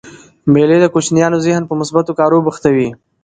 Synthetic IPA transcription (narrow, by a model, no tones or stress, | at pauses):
meled̪əkot͡ʃnjɑːnozɪhnpəmʊsbat̪okɑːɾobəxt̪awi